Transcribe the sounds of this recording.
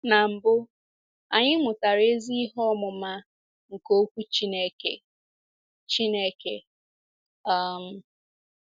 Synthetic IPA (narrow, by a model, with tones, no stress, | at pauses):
na˨m̩˨bʊ˦ | a˨ɲɪ˦mʊ˨ta˨ɾe˦zi˦ɦɔ˦mʊ˨ma˦ | ŋ̩˨ko˦kʷu˦t͡ʃi˦ne˦kḛ˨ | t͡ʃi˦ne˦ke˨ | a˦m̩˨